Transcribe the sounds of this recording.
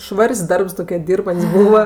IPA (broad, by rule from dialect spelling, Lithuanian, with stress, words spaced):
ˈʃʋɐrʲsʲ ˈdɐrps ˈtoːkʲiɛ ˈdʲiːrbɐnʲtʲsʲ ˈbuːʋɐ